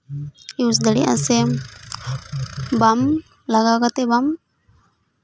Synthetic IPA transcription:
ius̬d̪alḭʔa̰sɛ | bam | laɡakat̪ɛbam

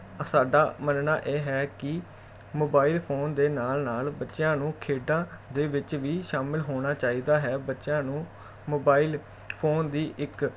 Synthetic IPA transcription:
saːɖaːmənnaːʔeːɦɛːkɪ | moːbaːɪlpʰoːnd̪eːnaːlnaːlbətːʃjãːnũːkʰeːɖãːd̪eːʋɪt͡ʃʋiːʃaːmɪlɦoːɽ̃aːt͡ʃaːiːd̪aːɦɛːbətːʃjãːnũː | moːbaːɪl | pʰoːnd̪iːʔɪk

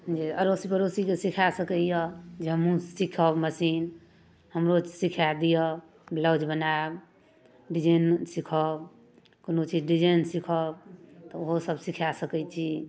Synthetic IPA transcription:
d͡ʒiəɾosipəɾosikesikʰasəkəjəd͡ʒeɦəmũsikʰəbməsin | həmɾosikʰad̪ijə | bləd͡ʒbənab | ɖid͡ʒensikʰəb | konot͡ʃid͡ʒɖid͡ʒənsikʰɔb̚t̪ɔoɦosəbsikʰasəkɛt͡ʃʰi

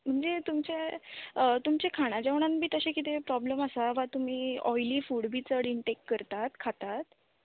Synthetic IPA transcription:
m̤əɳd͡zet̪umt͡ɕeət̪umt͡ɕekʰaɽ̃ad͡ʑeʋɳ̃ãnbʱiːt̪əɕekit̪epɾɔbləməsaʋat̪um̤iːɔjliːfuːɽbʱiːt͡səɽiɳʈekːəɾt̪at̪kʰat̪at̪̚

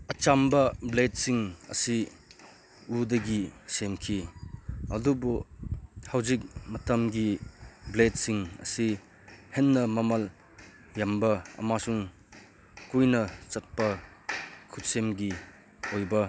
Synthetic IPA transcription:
ɐt͡ʃambɐblet̚siŋɐ̰si | udɐɡisemkʰi | ɐdubu | hawzik̚mɐtɐmɡiblet̚siŋɐ̰si | henːɐmɐmɐl | jambɐɐ̰masuŋ | kujnɐt͡ʃɐt̚pɐ | kʰut̚semɡi | ojbɐ

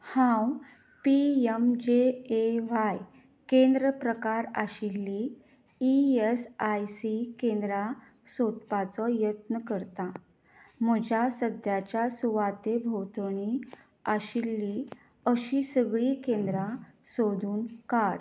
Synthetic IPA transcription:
hãw | piemd͡ʑeeʋaj | kẽnd̪ɾəpɾəkaɾa̰ɕilːiː | esajsikẽnd̪ɾa | sot̪pat͡sɔjət̪nəkəɾt̪a | m̤əd͡ʑʱjasəd̪jat͡ɕjasuʋat̪ebʱowt̪ɳ̃i | aɕilːi | əɕiːsəɡɭiːkẽnd̪ɾasod̪ʱuːnkaɽ

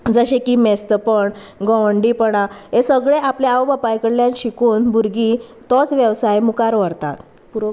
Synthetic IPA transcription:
d͡zəɕẽkiːmest̪əpəɳ | ɡɔʋəɳɖipəɽaɦesəɡɭeʔapleaʋbapajkəɽljãnɕikuːnbuɾɡit̪ɔt͡sʋjəʋsajmukaɾʋəɾt̪a̰t̪ | u

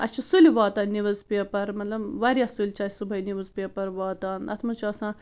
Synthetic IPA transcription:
ɐt͡ʃʰisulʲiʋaːt̪aːnːiʋɐzpiɐpɐɾmɐt̪lɐbʋaɾʲjasulʲt͡ʃʰaːsubʱɐjniʋɐzpɐpɐɾʋaːt̪aːnɐ̰t̪ʰmɐt͡ʃʰɐsãː

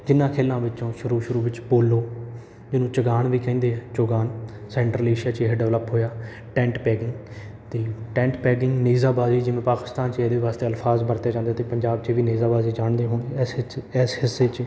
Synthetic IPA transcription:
d͡ʒɪnːãːkʰeːlːãːʋɪt͡ʃõːʃʊɾuːʃʊɾuːʋɪt͡ʃpoːlːoː | d͡ʒɪnũːt͡ʃəɡaːɳʋiːkɛ̃ːnd̪eːɛːt͡ʃoːɡaːn | sɛ̃ːɳʈɾəleːʃjaːt͡ʃeːɦɖɛʋləpɦoːjaː | ʈɛ̃ːɳʈpɛːɡɪŋɡ | t̪eːʈɛ̃ːʈpɛːɡɪŋɡniːzaːbaːziːd͡ʒɪʋẽːpaːkɪ̥st̪aːnt͡ʃeːd̪eːʋaːst̪eːəlpʰaːzbəɾt̪eːd͡ʒãːnd̪aːt̪eːpəɲd͡ʒaːb̚t͡ʃeːʋiːneːzaːbaːziːd͡ʒaːɳd̪eːɦoːneɛsɛːsɦɪsːeːt͡ʃ

